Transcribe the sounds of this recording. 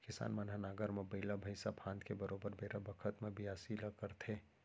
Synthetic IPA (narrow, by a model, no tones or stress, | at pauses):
kɪsa̰ːnmɐnɦanaːɡəɾmẽbəɪlabʱɐɪsapʰãːnd̪kebəɾoːbəɾbʱeːɾabɐkʰət̪mẽbʱiaːsiləkəɾt̪ʰe